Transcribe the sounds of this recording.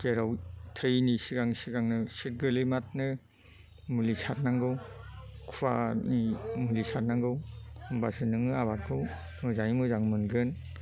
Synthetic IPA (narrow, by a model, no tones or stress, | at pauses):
keɾɔwtʰɯjnisiɡaŋsiɡaŋnɯsit̚ɡɯlɯmat̚nɯ | mulisʰat̚naŋɡɯwkʰuwa̰nimulisʰat̚naŋɡɯwmbasɯnɯŋɯaβakʰɯw | mɯzaimɯzaŋmɯnɡɯn